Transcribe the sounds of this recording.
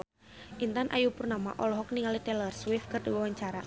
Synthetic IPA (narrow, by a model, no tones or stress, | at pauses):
ʔint̪anʔa̰jupurnama̰ʔɔlɔɦɔkniŋalit̪ɛlɛrswɪfkɨrdiwɛwaɲt͡ʃaɾa